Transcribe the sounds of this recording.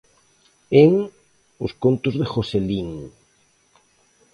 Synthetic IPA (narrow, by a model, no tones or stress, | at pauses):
eŋ | oskont̪ozðexoseliŋ